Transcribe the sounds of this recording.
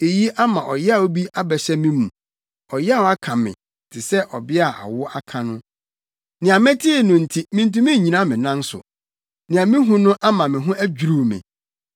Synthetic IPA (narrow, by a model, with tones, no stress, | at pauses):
e˨ji˦ʔa˦mã˨ʔɔ˨jɛ˦a˦˨o˦bi˦a˦bɛ˨ɕɛ˦mɪ̃˦mũ˨ | ɔ˨jɛ˦a˦˨ɔ˨a˦kʰã˨mɪ̰̃˨ | tʰɪ˨sɛ˦ʔɔ˨bɪ˦a˨ʔa̰˨wʊ˦a˦kʰã˨nʊ̃˦ | nɪ̃˨a˨mɛ̃˦tʰɪ˦˨nʊ̃˨n̩˨tʰi˦mɪ̃˦n̩˦tũ˦mɪ̃˦˨ɲĩ˨nã˦mɪ̃˨nã˦n˦sʊ̰˨ | nɪ̃˨a˨mɪ̃˦ɦũ˦nʊ̃˦ʔa˦mã˨mɪ̃˨ɦʊ̃˦æ˦d͡ʑᶣu˨ɾu˨mɪ̰̃˨